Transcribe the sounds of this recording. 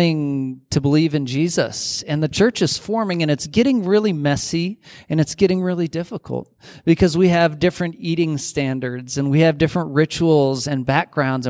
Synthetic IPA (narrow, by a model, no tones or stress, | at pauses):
ɪ̃ŋtʰɨbəlivɨ̃nd͡ʒizə̰sɨ̃nðɨt͡ʃʰɜ˞t͡ʃɨz̥fɔɹmɪ̃ŋɨ̃ñɨtsɡ̥ɛɾɪ̃ŋɹɪlˠimɛsiɨ̃nɨtsɡ̥ɛɾɪ̃ŋɹɪlˠidɪfəkʰl̩ˠt̚b̥ɨkʰʌzwiɨvdɪfɹɨ̃ntiɾɪ̃ŋstæ̃ndə˞dzɨ̃nwiɨvdɪfɹə̃nʔɹɪt͡ʃul̩ˠzɨ̃nbæk̚ɡ̥ɹãʊ̃ndz̃